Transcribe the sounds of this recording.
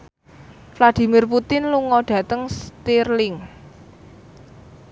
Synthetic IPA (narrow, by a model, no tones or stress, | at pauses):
flad̪̥i̤mɪrput̪ɪnluŋɔɖ̥ä̤t̪əŋst̪irlɪŋ